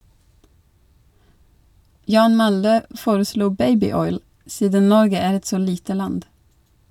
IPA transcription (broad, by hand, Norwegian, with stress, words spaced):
ˈjɑːn ˈmɑldə ˈfoːɾəˌsluː ˈbæɪbɪˌɔʏl ˈsiːdən ˈnɔɾɡə ˈæːɾ ˈɛt ˈsoː ˈliːtə ˈlɑnd